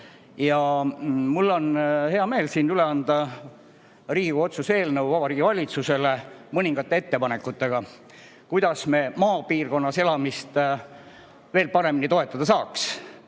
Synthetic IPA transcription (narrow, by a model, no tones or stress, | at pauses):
jɑ | mulːo̞nhe̞ɑme̞ːlsiːnyle̞ɑnd̪̥ɑ | riːɡuo̞t̪suse̞ːlnəwvɑbɑɾiːɡ̥ivɑlʲit̪suse̞le̞mɤnʲiŋɡ̥ɑt̪ːˑee̞t̪ːe̞pɑne̞kːˑut̪ːe̞ɡ̥ɑ | kujd̪̥ɑsme̞ːmɑːpiːrɡo̞nːɑse̞lɑmist̪ | ve̞ːlpɑɾe̞minit̪o̞e̞t̪ːˑɑd̪ɑsɑːks